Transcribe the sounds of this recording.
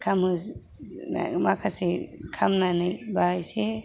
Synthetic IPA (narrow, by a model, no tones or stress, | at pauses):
kʰamɯ | na̰makʰasekʰamnanɯjbajse